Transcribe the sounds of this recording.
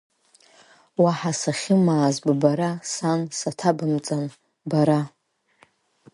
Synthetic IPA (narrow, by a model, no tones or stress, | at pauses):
waħasaχʲɪmaːzbbaɾasansatʰabɨmt͡sʼan | baɾa